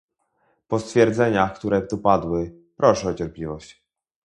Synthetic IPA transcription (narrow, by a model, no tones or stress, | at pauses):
pɔst̪fʲjɛɾd̪zɛɲaxkt̪uɾɛt̪upad̪wɘ | pɾʔɔʂɛɔt͡ɕɛɾplʲivɔɕt͡ɕ